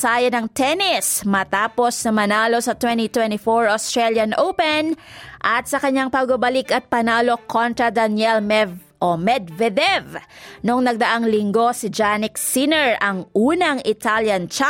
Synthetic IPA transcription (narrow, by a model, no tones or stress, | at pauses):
sajɐnɐŋt̪ɛnɪsmɐt̪aːpo̞snɐmɐnaːlo̞sɐt̪wɛnt̪it̪wɛnt̪ifoɹost̪ɹɛljɐnʔowpɛnʔɐt̪̚sɐkɐɲːaŋpɐɡ̚bɐbɐlɪkɐt̪̚pɐnaːlo̞kʰont̪ɾɐd̪ɐnjɛl | ʔomɛd̪vɛd̪ɛvnʊŋnɐɡ̚d̪ɐʔaŋlɪŋɡo̞sɪd͡ʒanɪksinɛɹʔɐŋʔuːnɐŋɪt̪aljɐnt͡ʃa